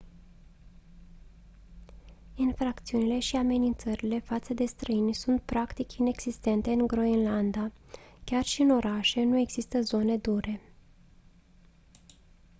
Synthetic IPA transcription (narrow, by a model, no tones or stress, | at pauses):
infɾakt̪siunile̞ʃiame̞nint̪səɾile̞fat̪səd̪e̞st̪ɾʔəinʲsunt̪̚pɾakt̪ikʲine̞ɡz̥ist̪e̞nt̪e̞ɨŋɡɾo̞inland̪akʲarʃiɨno̞ɾʔaʃe̞nue̞ɡz̥ist̪əzo̞ne̞d̪uɾʔe̞